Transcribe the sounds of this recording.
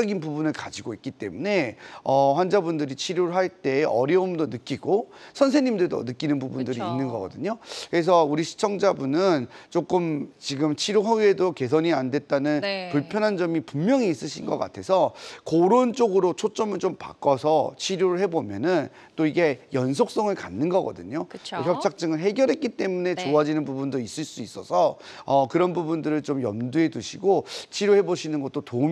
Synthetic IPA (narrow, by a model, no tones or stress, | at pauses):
ɡinpubunɯɭkad͡ʑiɡoik͈it͈e̞̰mune̞ʌɸwand͡ʑabundɯɾit͡ɕʰiɾjoɾɯɭɦaɭt͈e̞ʔʌɾjʌumdonɯk͈iɡosʰʌns̬ʰeɲimdɯɭdo̰nɯk͈inɯnbubundɯɾiːnːɯnɡʌɡʌdɯɲokɯɾe̞s̬ʰʌuɾiɕʰi̥t͡ɕʰʌŋd͡ʑabunɯnt͡ɕ͈ok͈ɯmt͡ɕiɡɯmt͡ɕʰiɾjoɦaɥedoke̞s̬ʰʌɲiandwe̞t̚t͈anɯnpuɭpʰjʌnɦand͡ʑʌmipummjʌŋiːs͈ɯɕʰinɡʌk͈a̰tʰe̞sʰʌkoɾont͡ɕ͈oɡɯɾot͡ɕʰot͡ɕ͈ʌmɯɭt͡ɕompa̰k͈ʌsʰʌt͡ɕʰiɾjoɾɯɭhe̞bomjʌnɯn | t͈oiɡe̞jʌns̬ʰok̚s͈ʌŋɯɭkanːɯnɡʌɡʌ̰dɯɲokɯt͡ɕʰoçjʌpt͡ɕʰak̚t͡ɕ͈ɯŋɯɭɦe̞ɡjʌɾɦe̞t̚k͈it͈e̞mune̞t͡ɕoad͡ʑinɯnbubundois͈ɯɭs͈uis͈ʌsʰʌʌkɯɾʌnbubundɯɾɯɭt͡ɕomjʌ̰mdue̞duɕʰiɡot͡ɕʰiɾjohe̞boɕʰinɯnɡʌt͈̚otom